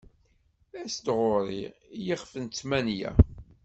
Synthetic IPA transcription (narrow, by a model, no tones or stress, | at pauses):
æsd̪ʁoɾˤḭjəχfənt̪t͡s̪mænjæ̰